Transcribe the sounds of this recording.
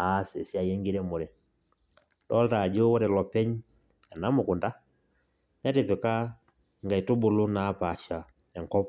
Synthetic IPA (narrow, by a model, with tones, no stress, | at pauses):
a˦sḛ˨si˦a˨je˦ŋɡi˦ɾɛ˦mu˨ɾɛ˨ | ɗɔ˦lta˨d͡ʒo˦wɔ˦ɾɛ˨lɔ˨pɛ˦ɲ | ɛ˨na˦mu˨ku˨nda˦ | ɲa˦te˨pɛ˨ka˦ | ŋɡa˨i˨tu˦bu˨lu˦na˨˦pa˨ʃa˨ | ɛ˨ŋkɔ˦p